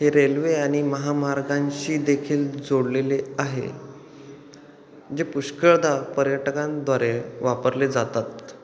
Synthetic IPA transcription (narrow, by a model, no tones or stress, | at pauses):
ɦeɾelʋeaɽ̃iməɦamaɾɡãɲɕiːd̪ekʰiːld͡zoɽleleaɦḛ | d͡zepuɕkəɭd̪ʱapəɾjəʈkãnd̪ʱʋaɾeʋapəɾled͡zat̪at̪̚